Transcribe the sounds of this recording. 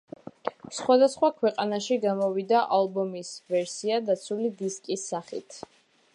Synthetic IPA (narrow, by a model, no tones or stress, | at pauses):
sχwad̪asχwakʰwɛqʼanaʃiɡamɔvid̪aʔalˠbɔmisvɛɾsiad̪at̪sʰulid̪iskʼisːaχḭt̪ʰ